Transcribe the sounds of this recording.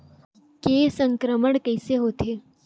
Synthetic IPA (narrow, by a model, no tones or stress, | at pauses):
kesəŋkɾəməɳkəjseɦot̪ʰe